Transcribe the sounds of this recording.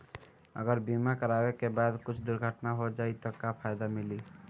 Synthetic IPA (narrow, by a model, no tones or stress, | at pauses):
ə̰ɡəɾbimakəɾaːwekebaːd̪kʊt͡ʃʰd̪ʊɾɡʱəʈnaɦod͡ʒaːit̪okapʰaːjd̪amɪli